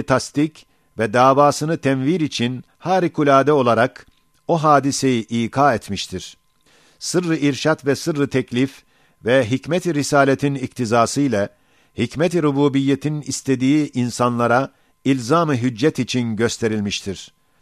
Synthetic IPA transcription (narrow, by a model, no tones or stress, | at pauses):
t̪ʰast̪ic | vɛd̪aːvaːsɯnɯt̪ʰɛnviɾit͡ʃʰin | haːɾikʰulʲaːd̪ɛo̞lˠaɾak | o̞ɦaːd̪ise̞jiʔiːkʰaːɛt̪miʃt̪ʰiɾ̥ | sɯɾːɯiɾʃat̪vɛsɯɾːɯt̪ʰɛclʲif | vɛɦicmɛt̪ʰiɾisaːlʲet̪ʰinikt̪ʰizaːsɯjlʲˠa | hicmɛt̪ɾubuːbijːet̪ʰinist̪ʰe̞d̪iːʔinsanlˠaɾa | ilʲzaːmɯɦyd͡ʒːɛt̪it͡ʃʰinɟøst̪ʰe̞ɾilʲmiʃt̪ʰiɾ̥